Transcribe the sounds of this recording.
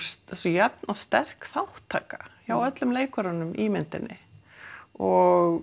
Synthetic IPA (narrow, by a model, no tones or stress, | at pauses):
ssɔjɛpnawst̪ɛr̥kθawht̪ʰaːkḁjawœt̪lʏmleːjkaɾanʏmʔimɪnt̪ɪnːɪ | ɔɣ